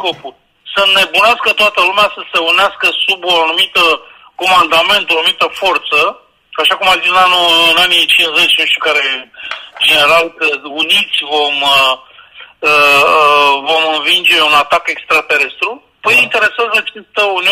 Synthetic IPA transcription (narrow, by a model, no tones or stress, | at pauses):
ko̞pulʲ | səne̞bunaskət̪oat̪əlumeasəse̞uneaskəsubo̞anumit̪ə | ko̞mand̪ame̞nt̪oanumit̪əfo̞rt̪sə | aʃakumazisɨnanuɨnanit͡ʃinzet͡ʃʲnuʃt̪ʲukaɾe̞ | d͡ʒe̞ne̞ɾalkəunit̪sʲvo̞mə | ə | vo̞mɨnvind͡ʒe̞unat̪ake̞kst̪ɾat̪e̞ɾe̞st̪ɾu | pəjint̪e̞ɾe̞sazəat͡ʃest̪əuni